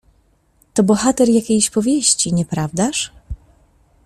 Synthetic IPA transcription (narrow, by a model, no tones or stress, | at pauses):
t̪ɔbɔxat̪ɛɾjakʲejɕpɔvʲjeɕt͡ɕiɲɛpɾavd̪aʂ